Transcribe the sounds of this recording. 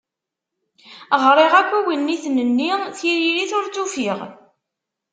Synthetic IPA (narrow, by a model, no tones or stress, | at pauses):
ʁɾˤeʁækʷːiwinːiθnənːiθiɾiɾiθʊɾt͡sːufiʁ